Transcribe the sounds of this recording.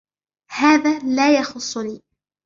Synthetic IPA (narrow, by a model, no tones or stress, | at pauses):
haːðaːlaːjɑxʊsˤːʊniː